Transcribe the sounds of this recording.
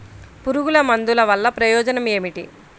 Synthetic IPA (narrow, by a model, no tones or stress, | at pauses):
puɾuɡulɐmɐnd̪ulɐʋɐlːɐpɾɐjɔːd͡ʒɐnɐmeːmiʈi